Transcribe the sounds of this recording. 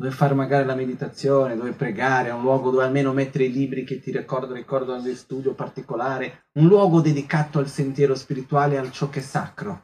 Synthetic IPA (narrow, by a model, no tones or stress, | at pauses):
d̪ovefarmaɡaːɾilamed̪it̪at̪sːjoːned̪oːvepɾeɡaːɾeunlwɔːɡod̪oːvealmeːnomɛt̪ːeɾeiliːbɾiket̪ːirikɔrd̪orikɔrd̪onod̪elst̪uːd̪jopart̪ikolaːɾe | unlwɔːɡod̪ed̪ikaːt̪oalsent̪jɛːɾospiɾit̪waːlealt͡ʃɔkːɛsːa̰kɾo